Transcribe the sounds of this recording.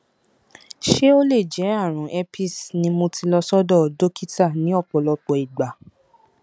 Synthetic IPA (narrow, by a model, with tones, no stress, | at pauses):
ʃe˦o˦le˦˨d͡ʒɛ˨˦a˦˨ɾ̃ũ˨ʔɛ˧pi˦˨snĩ˧mõ˧tʰi˧lɔ˧sɔ˦dɔ˦˨do˦ki˦ta˦˨nĩ˨˦ɔ˦˨k͡pɔ˨lɔ˧k͡pɔ˨i˨ɡ͡ba˨